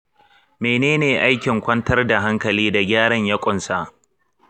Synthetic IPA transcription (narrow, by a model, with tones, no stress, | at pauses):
meː˨neː˦neː˨ʔa˦jkʲɪ˨ŋkʷɐ˦ntɐ˦rda˨ɦa˦ŋkɐ˨liː˦da˨ɡʲaː˦ɽɐ˦ɲjɐ˦kʷʼʊ˨nsa˦ʔ